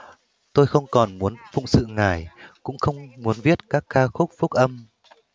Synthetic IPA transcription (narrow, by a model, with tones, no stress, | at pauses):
t̪o˧jxə˧wŋ͡mkɔ˨˩nmu˨˦ənfʊ̰˧˨ŋ͡m̚sɨ̰˧˨ŋaː˧˩jkʊ̰˧˥ŋ͡mxə˧wŋ͡mmu˨˦ənvi˦˥ət̚kaː˦˥kːaː˧xʊ˦˥k͡p̚fʊ˦˥k̚ʔə˧m